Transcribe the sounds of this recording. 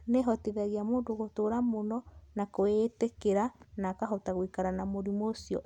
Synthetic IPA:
neɦɔtiðaɣiamoːndoɣotoɾamonɔnakoetekeɾanakaɦotaɣwikaɾanamoɾimosiɔ̰

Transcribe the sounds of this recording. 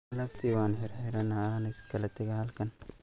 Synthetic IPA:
ɐlɐb̚t̪ʰiːwɑːnħɪɾħɪɾɐnɐnɐskʰɐlɛt̪ʰɛɣɛhɐlkʰɐn

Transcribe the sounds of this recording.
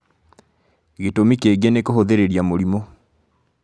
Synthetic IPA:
ɣetomikeɣenekohoðeɾeɾjamoɾimo

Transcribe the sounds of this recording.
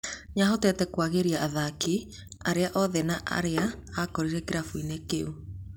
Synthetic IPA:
ɲaɦotɛtɛkwaɣeɾiaaðaki | aɾeaʔɔðɛnaʔa̰ɾeaakɔɾiɾɛkeɾafuinekeu

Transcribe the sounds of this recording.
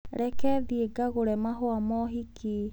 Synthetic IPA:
ɾɛkɛðieɡaɣoɾɛmaɦwamɔɦikʰi

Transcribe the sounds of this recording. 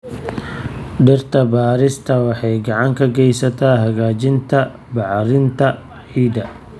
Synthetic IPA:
ɖɪrt̪ʰɐbaːɾɪst̪ʰɐwɑħɑjɡɑʕɑŋkʰɐɡɛjsɐt̪ʰaːɦɐɣaːt͡ʃɪnt̪ʰɐ | bɑʕɾɪnt̪ʰɐ | ħiːd̪ɐ

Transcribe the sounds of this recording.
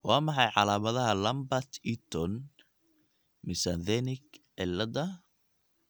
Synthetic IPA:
wɑːmɑħɑjʕɑlaːmɐðɐɦɐlɐmbɐt̪ʰit̪ʰɔn | mɪsanθɛnɪɡ | ɛlɐd̪ɐ

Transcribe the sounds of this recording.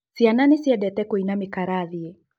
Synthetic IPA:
siananesiɛdɛtɛkoinamɪkaɾaðie

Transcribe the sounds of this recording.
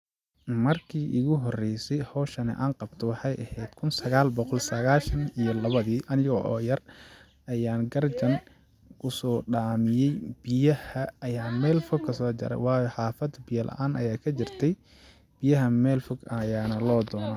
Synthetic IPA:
mɐrkʰiːʔɪɣʊɦɔrɛjsɛjhɔːʃɐnɛ̰ʔaːnqɑbt̪ʰɔwɑħɑjʔɐhɛːd̪̥kʰʊnsɐɣaːlbɔqɔlsɐɣaːʃɐnijɔlɐβɐðiːʔɐnɪjɣɔʔɔːjɐr | ɐjaːnɡɐrt͡ʃɐn | kʰʊsɔːɖaːmɪjɛjb̥ɪjɐhɐːjaːmɛːlfɔɡkʰɐsɔːt͡ʃɐ̰ɾɛ̰jwɑːjɔħɑːfɐd̪bɪjɐlʔɐ̰ʔaːnʔɐjaːkʰɐt͡ʃɪrt̪ʰɛj | b̥ɪjɐɦɐmɛːlfɔɡɐjaːnɐlɔːd̪ɔːnɐ

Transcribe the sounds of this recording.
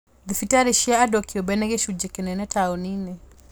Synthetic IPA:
ðifitaɾɛʃiaːdɔkiɔbɛnɛɣɛʃud͡ʒɛkɛnɛnɛtʰaɔninɛ

